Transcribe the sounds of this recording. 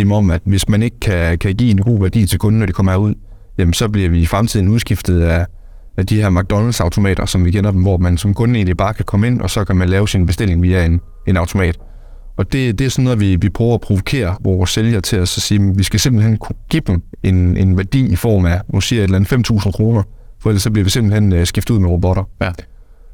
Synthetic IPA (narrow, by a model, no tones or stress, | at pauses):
mɒ̽mæd̥ʋe̝smæne̝ɡ̥əkʰækʰæɡ̥ḭːenɡ̥o̝̰ːʋæɐd̥ḭːt͡sʰe̝lkʰɔ̽n̩ːɒɾ̥ikʰɒ̽m̰ɐhæɐuð̞̰ˠ | jæmn̩sɒ̽b̥liɐʋifʁamt͡sʰiðˠn̩uðˠsɡ̥ifd̥ð̩ˠæ | æd̥ihæɐmɑ̈ɡ̥̚d̥ɒ̽nl̩sɑ̈ʊt͡sʰo̝mɛ̰ːɾ̥ɐsɒ̽mʋikʰenɐd̥emʋɒmænsɒ̽mkʰɔ̽ne̝̰nib̥ɑ̈ːkʰækʰɒ̽məe̝n̰ɒ̽sɒ̽kʰæmænlɛːʊsinb̥esd̥e̝l̰e̝ŋʋiːæe̝n | e̝nɑ̈ʊt͡sʰo̝mɛ̰ːd̥ | ɒ̽d̥e̝d̥e̝æɐsɒ̽nːɔ̽ð̩ˠʋiʋipʰʁœːʊɐɒpʰʁo̝ʋo̝kʰe̝̰ːɐʋɒːsːeljɐt͡sʰe̝ɒsɒ̽siːmeʋisɡ̥æse̝mb̥l̩henkʰɡ̥ib̥em̩e̝nenʋæɐd̥ḭːifɒ̰ːmæɒsiɐe̝d̥lænð̩ˠfem̰t͡sʰṵːsn̩kʰʁo̝ːnɐfɒel̰sɒ̽b̥liɐʋise̝mb̥l̩hensɡ̥ifd̥uð̰ˠmeʁob̥ɔ̽ɾ̥ɐ